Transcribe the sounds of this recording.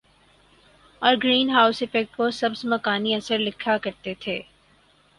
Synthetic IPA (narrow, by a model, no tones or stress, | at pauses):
ɔːɾɡɾiːnɦaːʊsɪfɛk̚ʈ̚kosɐbsmɐkaːniɐsəɾlɪkʰakɐɾt̪et̪ʰeː